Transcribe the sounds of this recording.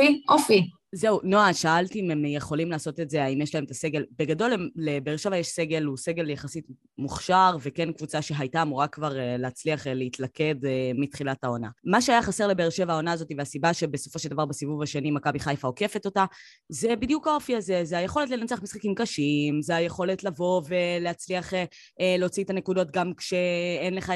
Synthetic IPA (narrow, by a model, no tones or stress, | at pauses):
iʔofi | ze̞unoaʃaaltiimemjeχo̞limlaːso̞t̪etze̞aimjeʃlahemetase̞ɡe̞lbe̞ɡado̞lelebeːʁʃevajeʃse̞ɡe̞luse̞ɡe̞ljaχasit | muχʃaʁve̞kenkvut͡saʃe̞ɦajtaːmuʁakvaʁeleːt͡sliaχleitlake̞dmitχilathao̞na̰maʃeajaχase̞ʁlebeːʁʃevaao̞naːzo̞tiveasibaʃe̞beso̞fo̞ʃeld̪avaʁbesivuvaʃenimakabiχajfao̞ke̞feto̞ta | ze̞bid̪jukao̞fiaze̞zeajeχo̞le̞t̬lenat͡seaχmisχakimkaʃimzeajeχo̞letlavo̞veleat͡sliaχe | eleot͡sitanekudo̞t̚ɡamkʃeenleχa